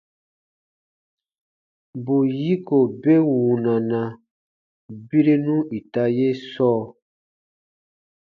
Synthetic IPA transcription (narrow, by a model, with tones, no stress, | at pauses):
bu˨ji˦ko˨be˦wu˨nã˨nã˨ | bi˦ɾi˦nũ˦i˨ta˦je˦sɔː˦